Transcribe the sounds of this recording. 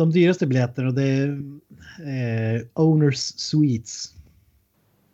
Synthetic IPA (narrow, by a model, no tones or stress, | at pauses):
ɔmd̪yːɾəst̪əbɪlɛt̪ːənɔd̪ɛ | ʔəʊnəɹsːiːt̪s